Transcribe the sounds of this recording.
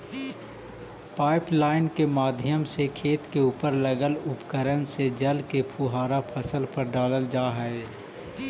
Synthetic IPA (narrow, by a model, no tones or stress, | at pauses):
paːɪplaːɪnkemaːd̪ʱjəmsekʰeːt̪keuːpəɾləɡəlʊpkəɾənsed͡ʒɐlkepʰuɦaːɾapʰəsəlpəɾɖaːləld͡ʒaːɦɛe